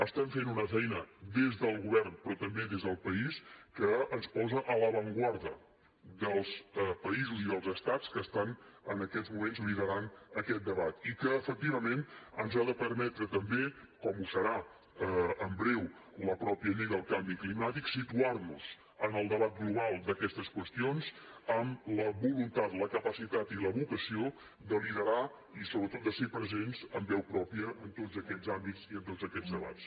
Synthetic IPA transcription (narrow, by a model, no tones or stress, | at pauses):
əst̪aɱfenunəfɛjnəd̪ezðəlˠɣuβɛrnpɾɔt̪əmbeðezðəlˠpəiskəənspɔzəʔələβəŋɡwaɾðə | d̪əlˠspəizuziðəlˠzəst̪at͡skəst̪anənəkɛd͡zzmumenzβiðəɾanəkɛt̪̚d̪əβat̪ikəːfək̚t̪iβəmenənzaðəpəɾmɛt̪ɾət̪əmbe | kɔmusəɾa | əəmbɾɛwləpɾɔpiəʎiɣəəlˠkambiklimat̪iksit̪uarnuz̥ | ənəlˠd̪əβat̪̚ɡluβalˠd̪əkɛst̪əskwəst̪ionz | əmləβulunt̪at̪ləkəpəsit̪at̪iləβukəsio | d̪əliðəɾa | isoβɾət̪ot̪̚d̪əsepɾəzenzəmbɛwpɾɔpiəʔənt̪ozəkɛd͡zambiziənt̪od͡zəkɛd͡zzd̪əβa̰t͡s